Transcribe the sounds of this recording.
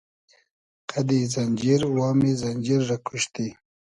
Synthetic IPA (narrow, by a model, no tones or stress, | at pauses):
qʰad̪izand͡ʒiɾwɑːmizand͡ʒiɾːakʰuʃt̪i